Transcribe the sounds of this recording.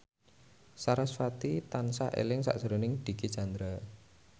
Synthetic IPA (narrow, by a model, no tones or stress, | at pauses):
saɾasfat̪it̪ansaḛlɪŋsa̰ʔsəɾonɪŋd̪̥i̤ɡit͡ʃand̪ɾa